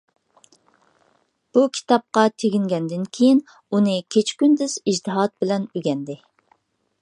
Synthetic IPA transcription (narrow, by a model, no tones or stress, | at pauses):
b̥ukʲʰi̥t̪ɑp̚qɑt̪ʰeɡʲiŋɡʲɛnd̪ɪnkʲʰejin | unɨkʲʰet͡ʃʰkʲynd̪yz̥id͡ʒt̪ʰɨɦɑt̪̚bɪlɛnyɡʲɛnd̪ɪ